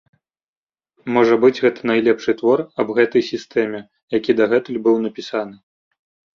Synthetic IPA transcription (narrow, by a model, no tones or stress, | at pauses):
mɔʐɐbɨd͡zʲɣɛt̪ɐ̥nɐjlʲɛpʂɨt̪vɔrɐbɣɛt̪ɐjsʲist̪ɛmʲɛ | jakʲid̪ɐɣɛt̪ɨlʲbɨwnɐpʲisan̪ɨ